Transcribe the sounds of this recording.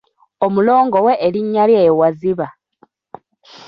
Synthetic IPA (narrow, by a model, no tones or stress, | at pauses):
o̞mulo̞ːŋɡo̞we̞ʔːliɲːaljeːwaziβa